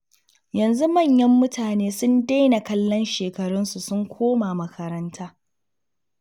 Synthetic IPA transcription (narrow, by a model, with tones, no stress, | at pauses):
jɐ˨nzu˦mɐ˦˨ɲjɐ˦mːʊ˦tʰaː˨neː˦sʊ˦nda˦jna˨kɐ˦lːɔ˦nʃeː˨kɐ˨ɽʊ˦nsu˨sʊ˦ŋkʷʰoː˦ma˨mɐ˨kʰɐ˨ɾɐ˦ntʰaː˦